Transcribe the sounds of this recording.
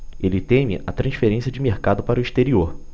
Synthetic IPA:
elɪt̪ẽmɪ̰ʔat̪ɾɐ̃sfeɾẽsiɐd͡ʒɪmeɾkad̪ʊpaɾʊiʃt̪eɾioɾ

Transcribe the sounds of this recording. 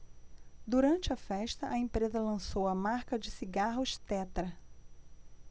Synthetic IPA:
d̪uɾɐ̃nt͡ʃɪɐfɛʃt̪ɐʔɐẽmpɾezɐlɐ̃sowɐmaɾkɐd͡ʒɪsiɡaɦʊʃt̪ɛt̪ɾɐ

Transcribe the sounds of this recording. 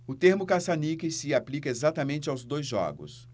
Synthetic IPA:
ʊt̪eɾmʊkasanikɪsɪaplikɐezat̪ɐmẽnt͡ʃɪawzd̪ojzʒɔ̰ɡʊ̰s

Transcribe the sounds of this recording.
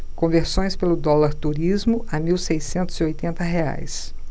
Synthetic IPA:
kõveɾsõj̃spelʊd̪ɔlaɾt̪uɾizmʊʔɐmiwsejsẽnt̪ʊziojt̪ẽnt̪ɐɦea̰js

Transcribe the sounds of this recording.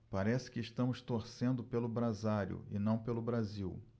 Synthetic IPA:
paɾɛsɪ̥kɪːʃt̪ɐ̃mʊst̪oɾsẽnd̪ʊpelʊbɾazaɾjʊ̰ɪ̰nɐ̃w̃pelʊbɾaziw

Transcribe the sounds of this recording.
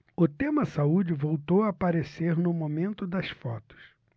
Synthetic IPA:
ʊt̪ẽmɐsaud͡ʒɪvowt̪owɐapaɾeseɾnʊmomẽnt̪ʊd̪ɐsfɔt̪ʊ̥s

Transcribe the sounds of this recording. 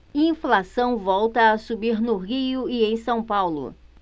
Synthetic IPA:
ĩflasɐ̃w̃vɔwt̪ɐːsubiɾnʊʁiʊiẽj̃sɐ̃w̃pawlʊ̰

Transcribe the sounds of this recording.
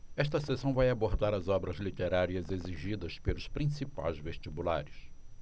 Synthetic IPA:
ɛʃt̪ɐsesɐ̃w̃vajaboɾd̪aɾɐzɔbɾɐzlit̪eɾaɾiɐzeziʒid̪ɐspelʊspɾĩsipa̰jzveʃt͡ʃibula̰ɾɪs

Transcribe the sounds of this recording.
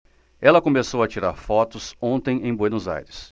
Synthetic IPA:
ɛlɐkomesowɐt͡ʃiɾaɾfɔt̪ʊsõnt̪ẽj̃ẽj̃bwenʊza̰jɾɪs

